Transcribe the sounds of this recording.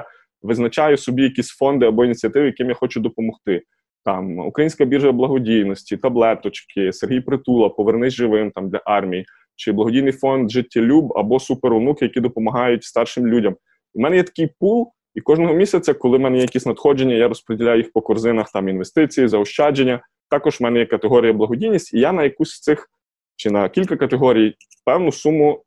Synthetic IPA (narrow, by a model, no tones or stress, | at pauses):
ʋɪznɐt͡ʃɑjʊsɔbʲijɐkʲisʲfɔnd̪ɪɐbɔinʲit͡sʲiɐt̪ɪʋɪjɐkɪmjaxɔt͡ʃʊd̪ɔpɔmɔxt̪ɪ | t̪ɑmṵkɾɐjinʲsʲkɐbʲirʒɐblˠɐɦɔdʲijnɔsʲtʲit̪ɐblˠɛt̪ɔt͡ʃkʰɪserɦijpɾɪt̪ulˠɐpɔʋernɪzʲʒɪʋɪmt̪ɑmd̪lʲɐ̰ʔɑrmʲiji | t͡ʃɪblˠɐɦɔdʲijnɪjfɔnd̪ʒɪtʲːɐlʲubɐ̰bɔsupeɾʊnukɪjɐkʲid̪ɔpɔmɐɦɑjʊtʲst̪ɑrʃɪmlʲudʲɐm | imɛnɛjɛt̪ɐ̥kɪjpulˠ | ikɔʒnɔɦɔmʲisʲɐt͡sʲɐkɔlˠɪmɛnɛjɛjɐkʲisʲnɐt̪xɔd͡ʒenʲːɐjaɾɔspɾedʲilʲajʊjixpɔkɔrzɪnɐxt̪ɑminʋest̪ɪt͡sʲijizɐɔʃt͡ʃɑd͡ʒenʲːɐ | t̪ɑkɔʒwmɛnɛjɛkɐt̪eɦɔɾʲijɐblˠɐɦɔdʲijnʲːisʲtʲijanɐjɐkusʲt̪sɪx | t͡ʃɪnɐkʲilʲkɐkɐt̪eɦɔɾʲij | pɛwnʊsumʊ